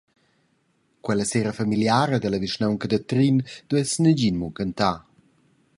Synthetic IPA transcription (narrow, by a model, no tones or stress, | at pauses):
kwɛləseɾəfamiljaːɾəd̪ələviʃnawŋkəd̪ət̪ɾind̪̥uɛsnəd͡ʑinmukənt̪a